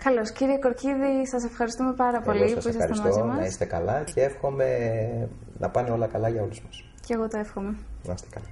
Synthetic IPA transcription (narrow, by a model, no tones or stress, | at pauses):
kɐlo̞sciɾieko̞ɾciðisɐs̬e̞fxɐɾist̪ume̞pɐɾɐpo̞lisɐsuiisɐsɐ̰ɾismozimɐnɐist̪e̞kɐ̰lɐcʰeefxo̞me̞ | nʔɐ̰pɐneo̞lɐkɐlɐʝɐo̞luzmɐs | ceɣo̞t̪oefxo̞me̞nɐ̰st̪ekɐlɐ